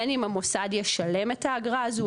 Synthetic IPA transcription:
nimamo̞sad̪jeʃale̞met̪haːɡʁazu

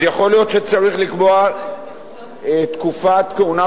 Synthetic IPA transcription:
jaχo̞lijo̞t̪ʃet͡saʁiχlikboa | et̪kufat̪keuna

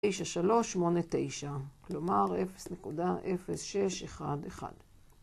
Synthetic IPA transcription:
ejʃaʃalo̞ʃːmo̞ne̞te̞jʃaklo̞maʁefe̥snekudaʔefe̞sʃe̞ʃeχa̰deχa̰d̥

